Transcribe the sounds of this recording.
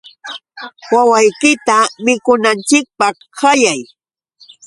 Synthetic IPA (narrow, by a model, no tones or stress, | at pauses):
wawajkɪt̪amɪkʊnant͡ʃɪk̚pɑχ | hajaj